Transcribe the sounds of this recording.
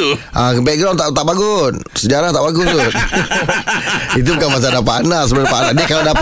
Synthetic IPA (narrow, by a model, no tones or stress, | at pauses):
ʔakəmpɛɡaŋt̪at̪aʔbaɡunsəd͡ʒaɾaht̪aʔbaɡʊt̪ʊn | it̪̬ubukanmas̬anapanas̬əbəɾapanadiakalada